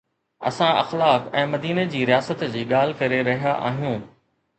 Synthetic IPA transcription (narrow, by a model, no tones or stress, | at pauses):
ɐ̰sãɐ̰xlaːkɛ̃ːmɐd̪iːned͡ʑiːɾijaːsət̪d͡ʑiːɠaːl̤ɪkɐɾeɾɐɦijaʔa̰ːɦijũː